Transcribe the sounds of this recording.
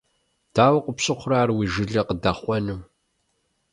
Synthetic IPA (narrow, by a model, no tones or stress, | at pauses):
d̥aːwɐqʷʊpɕɨqʷraːrwiʒɨɮɐqədaχʷɔnɨm